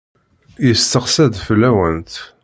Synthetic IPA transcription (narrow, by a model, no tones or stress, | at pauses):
jəst̪əqsæd̪fəlːæwənt̪